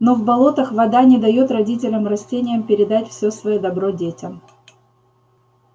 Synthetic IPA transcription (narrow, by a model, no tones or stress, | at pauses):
no̞vbɐlˠo̞t̪əxvɐd̪anʲɪd̪ɐjot̪rɐdʲitʲɪlʲəmrɐsʲtʲenʲɪjəmpʲɪɾʲɪd̪atʲfsʲo̞svɐjod̪ɐbɾo̞dʲetʲəm